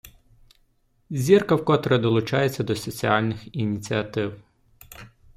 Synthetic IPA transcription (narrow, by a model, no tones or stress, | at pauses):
zʲirkɐwkɔt̪ɾɛd̪ɔlˠʊt͡ʃɑjet͡sʲːɐd̪ɔsɔt͡sʲiɑlʲnɪxinʲit͡sʲiɐt̪ɪw